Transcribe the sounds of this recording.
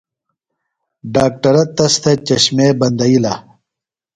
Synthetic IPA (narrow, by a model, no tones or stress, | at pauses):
ɖaːk̚ʈɐɾɐt̪ːɐst̪ʰet͡ɕɐɕmebɐnd̪ɐila̰ː